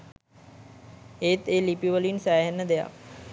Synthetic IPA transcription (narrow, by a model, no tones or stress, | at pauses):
eːt̪eːlipiuʋəluinsæːɦenːəd̪eja̰k